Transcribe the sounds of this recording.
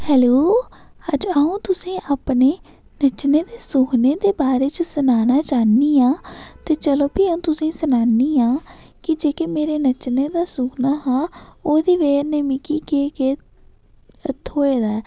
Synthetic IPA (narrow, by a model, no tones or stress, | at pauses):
hɛːloː | əd͡ʒəũːt̪ʊsĩːʔaːpneː | nət͡ʃneːd̪eːsuːkneːd̪eːbaːɾeːt͡ʃəsənaːnaːt͡ʃaːniːaːt̪eːt͡ʃəloːpiːəũːt̪ʊsĩːsənaːniːãː | kɪd͡ʒeːkeːmeːɾeːnət͡ʃneːd̪aːsuːknaːɦãːoːd̪iːʋeːɾneːmɪkiːkeːkeː | ət̪ʰoːeːd̪aːɛ